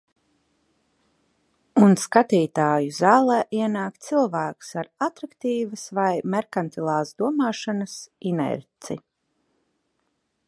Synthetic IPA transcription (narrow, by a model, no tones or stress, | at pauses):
unskat̪iːt̪aːjuzaːlˠɛːʔiɛnaːkt̪silˠvæːku̥saɾat̪ɾakt̪iːvəsvajmɛɾkant̪ilˠaːzd̪uɔmaːʃanasinɛ̰ɾt̪si